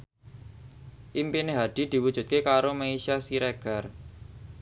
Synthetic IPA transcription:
ʔimpineɦad̪̥i̤d̪̥i̤wud̥ʒ̥ṳt̪̚kekaɾomaisiasiɾeɡ̥a̤r

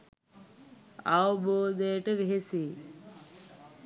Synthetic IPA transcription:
aʋəboːd̪ejəʈəʋeɦesiː

